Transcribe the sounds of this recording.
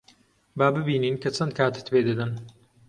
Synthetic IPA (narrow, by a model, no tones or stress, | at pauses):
baːbɨbiːniːnkʰɐt͡ʃʰɐnd̪̚kʰaːt̪ɨ̥t̪beːd̪ɐd̪ɐn